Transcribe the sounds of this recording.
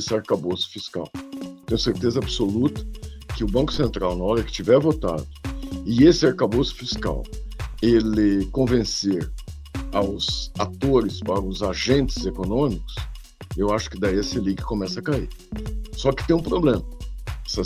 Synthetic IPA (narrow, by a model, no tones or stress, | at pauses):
sɪaɾkabosʊ̥fiska̰wt̪ẽj̃ʊseɾt̪ezɐabsolut̪ɐ̥kɪʊbɐ̃kʊ̥sẽnt̪ɾawnɐɔɾɐkɪ̥t͡ʃivɛɾvot̪a̰d̪ʊɪesɪaɾkabosʊ̥fiska̰welɪkõvẽseɾ | awzat̪oɾɪspaɾɐʊzaʒẽnt͡ʃɪzekonõmikʊ̥s | ewaʃʊ̥kɪd̪aiesɪlikɪ̥kõmɛsɐkaiɾsɔkɪ̥t̪ẽj̃ũpɾoblẽmɐɛsɐ